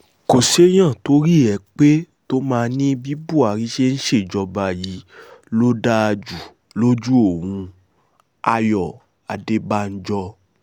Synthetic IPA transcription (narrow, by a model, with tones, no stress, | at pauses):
ko˨ʃe˦j̃ã˦˨to˦ɾi˦˨ɛ˧˦k͡pe˦ | to˦mãː˧˦nĩ˦bi˦bu˦˨a˨ɾi˨˦ʃe˦n̩˦ʃe˦˨d͡ʒɔ˧ba˧˨ji˨˦lo˦da˦˧d͡ʒu˨ | lo˦d͡ʒu˦o˦˨w̃ũ˧ | a˧jɔ˨ | a˨de˨˦ba˧˦n̩˦d͡ʒɔ˧